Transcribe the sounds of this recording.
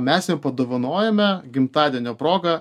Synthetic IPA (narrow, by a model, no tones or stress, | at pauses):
mʲɛsjʲɛmpɐd̪oːʋɐnoːjɛmʲɛɡʲɪmt̪ɑːd̪ʲiɛnʲoːpɾoːɡɐ